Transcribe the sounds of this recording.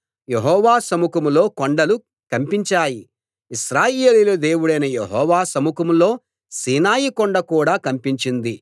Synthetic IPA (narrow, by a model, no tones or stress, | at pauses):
je̞ɦɔːʋaːsɐmukɐmulo̞ːkoɳɖɐlu | kɐmpiɲt͡ʃaːji | iʃɾaːjeːlilɐd̪e̞ːwuɽɐjnɐjeɦɔːʋaːsɐmukɐmulo̞ː | siːnaːjikoɳɖɐkuːɽaːkɐmpiɲt͡ʃind̪i